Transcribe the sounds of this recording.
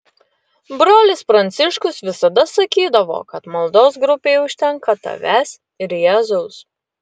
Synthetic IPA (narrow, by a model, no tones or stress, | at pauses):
bɾoːlʲɪspɾɐnʲt̪sʲɪʃkʊsʋʲɪsɐd̪ɐsɐkʲiːd̪ɐʋo̰ːkɐt̪mɐlˠd̪oːsɡɾʊpʲeːʊʃʲt̪ʲɛŋkɐt̪ɐ̰ʋʲæsʲ | ɪɾjɛːzoʊs